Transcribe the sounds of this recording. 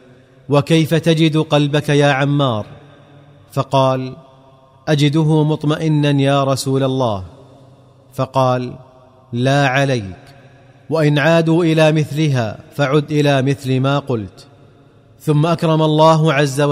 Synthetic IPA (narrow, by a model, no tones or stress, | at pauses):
wakajfat̪ad͡ʒɪd̪qɑlbakajaːʕamːɑːɾˤ | fɑqɑːl | ʔad͡ʒɪd̪ʊɦʊmʊt̪ˤmaʔɪnːanjaːɾˤɑsuːlalˤːɑːh | fɑqɑːlː | aːʕalajk | waʔɪnʕaːd̪uːʔɪlaːmɪθlɪɦa̰ːfaʕʊd̪ʔɪlaːmɪθlmaːqʊlt̪ | θʊmːaʔakɾˤɑmalˤːɑːɦʊʕazːa